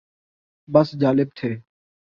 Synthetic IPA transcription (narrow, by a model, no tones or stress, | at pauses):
bəsd͡ʒaːlɪb̚t̪ʰeː